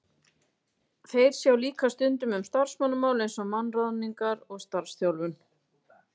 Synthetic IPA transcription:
θejɾ̥sjawliːkast̪ʏnt̪ʏmʏmst̪ar̥smanːʏmaːwlejnsɔmanraðniŋkaɾɔɣst̪aɾ̥sθjawlvʏn

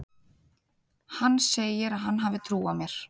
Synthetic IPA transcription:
hanːseːjɪɾaɦanːɦaːvɪt̪ʰɾuːamjɛɾ̥

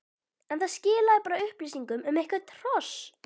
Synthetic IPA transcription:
ɛnθaðscɪːlaðɪpaːɾaʏhplisiŋkʏmʏmejhkvat̪ʰɾ̥ɔs

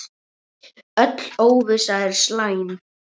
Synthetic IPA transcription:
œt̪loːwvɪsaɛɾ̥slaːjn

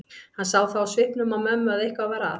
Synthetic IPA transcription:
hansawθawasvɪhpnʏmawmœːmːʏaðejhkvavɛːɾa

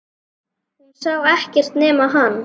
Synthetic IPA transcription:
hunsawɛhcɛr̥t̪nɛːmaɦanː

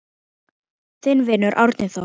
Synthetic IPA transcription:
θɪnvɪːnːʏɾʔa̰wɾt̪nɪθa

